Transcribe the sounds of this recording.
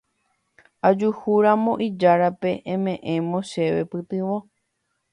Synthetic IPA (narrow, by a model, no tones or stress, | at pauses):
ad͡ʒuhuɾamõ̞ʔid͡ʒaɾape̞ʔẽmẽʔẽmõ̞ʃe̞ʋe̞̰pɨt̪ɨʋo